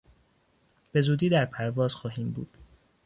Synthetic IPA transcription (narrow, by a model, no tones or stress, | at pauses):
b̥e̞zuːd̪iːd̪æɾpʰæɾvɒːz̥xɒːɦiːmbṵːd̪̥